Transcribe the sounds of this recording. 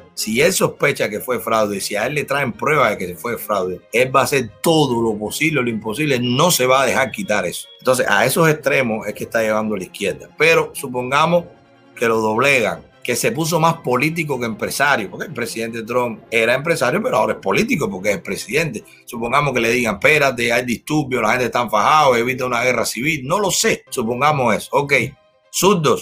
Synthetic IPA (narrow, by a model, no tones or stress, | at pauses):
sie̞lso̞hpe̞t͡ʃake̞fwe̞fɾawðesiaelːe̞t̪ɾaempɾwe̞βaðeke̞sefwefɾawðee̞lbaːse̞ɾt̪o̞ðolo̞po̞siβleloimpo̞siβlenõ̞se̞βaːðe̞haɾkit̪aɾe̞so̥ent̪onsesa̰e̞so̞seht̪ɾe̞mo̞se̞hkeht̪aje̞βãnd̪oalihkje̞ɾd̪a̰pe̞ɾo̞sup̬o̞ŋɡamos | ke̞lo̞ðo̞βleɣa̰ŋ | ke̞se̞p̬us̬o̞maspo̞lit̪̬ik̬o̞keeːmpɾe̞saɾjopoɾkelpɾesiðe̞nt̪et̪ɾõmpe̞ɾaempɾe̞saɾjope̞ɾoao̞ɾae̞hpo̞lit̪ikopo̞ɾk̬eeselpɾesiðẽ̞nt̪e̞ | supo̞ŋɡamohke̞le̞ðiɣaŋpeɾat̪̬e̞ajd̪iht̪uɾbjolahent̪eht̪aɱfahaoeβit̪eunaɣe̞rasiβilno̞lo̞se̞supo̞ŋɡamose̞sooke̞j | suɾd̪os